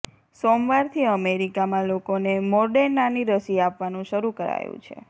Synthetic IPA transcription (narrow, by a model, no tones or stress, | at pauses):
somʋaɾt̪ʰiəmeɾikamãlokonemɔɾɖeɾːaniɾəsiapʋanũʃəɾukəɾa̰jṵ̃t͡ʃʰḛ